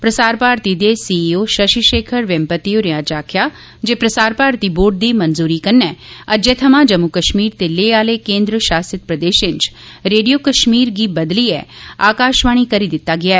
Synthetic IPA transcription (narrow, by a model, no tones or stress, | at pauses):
pɾəsaːɾpaːɾt̪id̪esiːioːʃɐʃiʃeːkʰəɾʋɛ̃mpət̪ioɾɪjãːd͡ʒaːkʰjaː | d͡ʒeːpɾəsaːɾpaːɾt̪iboːɾʈ̚d̪iːmɐnzuːɾikɐnːɛːɐd͡ʒeːt̪ʰɐmãːd͡ʒɐmːukəʃmiːɾt̪eleːaːlekẽːnd̪ɾəʃaːsɪt̪̚pɾəd̪eːʃɪ̃ɲt͡ʃ | ɾeːɖijoːkəʃmiːɾɡiːbɐd̪liːɛ̰ːaːkaːʃʋaːɽ̃ikɐɾiːd̪ɪt̪ːaːɡɪaːɛː